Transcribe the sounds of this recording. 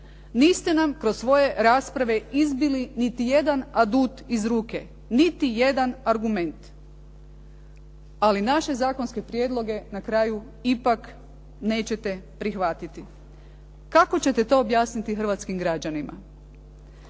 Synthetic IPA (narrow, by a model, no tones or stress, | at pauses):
niːst̪e̞namkɾossʋo̞je̞ɾaːspɾaʋe̞izbilinit̪ije̞d̪anad̪uːt̪izɾuːke̞ | nit̪ije̞d̪anaɾɡume̞nt̪ | alinaʃe̞zaːkonske̞pɾjed̪lˠo̞ɡe̞nakɾaju | ipak | ne̞ːt͡ɕe̞t̪e̞pɾixʋat̪it̪i | kako̞t͡ɕe̞t̪et̪o̞ːbjaːsnit̪ixr̩ʋat̪skimɡɾad͡ʑanima̰